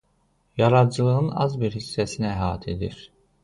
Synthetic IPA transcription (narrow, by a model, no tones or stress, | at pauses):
jɑɾɑd̪d͡ʒɯlˠɯɯnɑ̰zbiɾhisːæsinæɦɑːt̪ʰed̪iɾ̥